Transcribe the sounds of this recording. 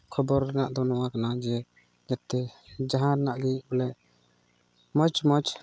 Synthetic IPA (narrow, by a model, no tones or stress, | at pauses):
kʰɔbɔɾːɛna̰ʔd̪ɔnɔwakanad͡ʒɛ | d͡ʒat̪ːɛd͡ʒaɦãɾɛnaʔɡɛɲʔbɔlɛʔ | mɔt͡ʃmɔt͡ʃ